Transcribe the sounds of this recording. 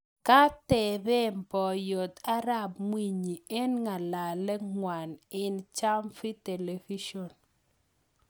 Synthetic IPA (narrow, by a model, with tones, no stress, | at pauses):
ka˦tɛ˨bɛ˦mpɔ˨jo˨t̪a˦ɾa˦˨bmwi˦˨ɲi˨ɛ˦nŋa˨la˨lɛ˦ŋwa˨nɪ˦nt͡ʃa˦mfi˦te˨le˨vi˦ʃɔ˨n